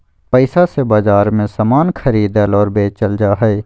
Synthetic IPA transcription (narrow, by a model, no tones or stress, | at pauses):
pɛɪsasebaːzaːɾmẽsaːmaːnkʰɐɾiːd̪əlɔːɾbeːt͡ʃəld͡ʒaːɦɛe